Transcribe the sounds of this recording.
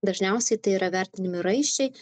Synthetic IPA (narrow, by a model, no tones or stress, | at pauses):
d̪ɐʒʲnʲɛˑʊsʲɛɪt̪ɐɪiːɾɐʋʲæˑɾʲt̪ʲɪnʲɪmʲɪɾɐɪʃʲt͡ʃʲɛɪ